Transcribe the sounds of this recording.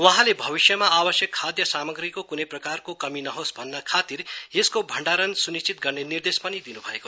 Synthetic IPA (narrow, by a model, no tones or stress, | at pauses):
wʌɦãlebʱʌbisjʌmaabʌsjʌkʰːad̪jʌsamʌɡrikokunʌjprʌkarkokʌminʌɦosbʱʌnːakʰat̪irjeskobʱʌɳɖaɾʌnsunist͡ʃit̪̚ɡʌrnenird̪espʌnid̪inubʱʌeko